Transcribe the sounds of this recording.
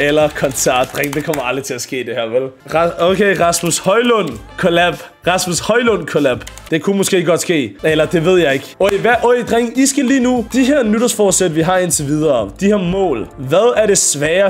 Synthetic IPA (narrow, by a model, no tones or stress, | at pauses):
elɐkʰɒ̽nsʰæɐ̰d̥d̥ʁeŋ̰d̥e̝kʰɒ̽m̰ɐɑ̈ld̥ʁit͡sʰe̝læsɡ̥e̝̰ːd̥e̝hæɐ̰ʋel | ʁɑokʰeɪʁɑ̈smushɒ̽ɪlɔn̰kʰolæb̥ | ʁɑ̈smushɒ̽ɪlɔn̰kʰolæb̥ | d̥e̝kʰumɒ̽sɡ̥e̝̰ːɡ̥ɒ̽d̥sɡ̥e̝̰ːelɐd̥e̝ʋe̝ð̞̰ˠjɑ̈ɪe̝ɡ̥oʋæʔɔd̥ʁeŋ̰isɡ̥æliːnud̥iɦeɐ̰nyɾ̥ɐsfɒːd̥sed̥əʋiɦɑ̈e̝nt͡sʰeʋið̞ˠɐd̥iheɐ̰mɔ̰̽ːlʋæðˠæɐɾ̥e̝sʋɛːɐ